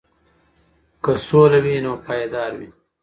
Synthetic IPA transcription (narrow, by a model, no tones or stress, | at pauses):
kəsoːlawinopaːjed̪ɑːɾwi